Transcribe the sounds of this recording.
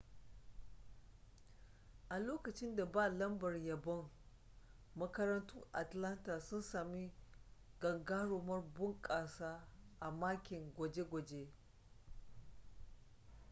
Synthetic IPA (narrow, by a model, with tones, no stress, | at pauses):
ʔa˨loː˦kɐ˨t͡ʃɪ˦nda˨baː˦˨lɐ˦mbɐ˨rjɐ˨bɐ˦ŋ | mɐ˦kɐ˦ɾɐ˦ntʊ˦ŋʔa̰˨tlɐ˦nta˨sʊ˦nsaː˨mi˦ɡ̥ɐ˨ŋɡaː˦ɽoː˨mɐ˦rbʊ˦ŋkʼaː˨saː˦ʔa˨maː˦kʲɪ˨ŋɡʷɐ˨d͡ʒe˦ɡʷɐ˨d͡ʒe˦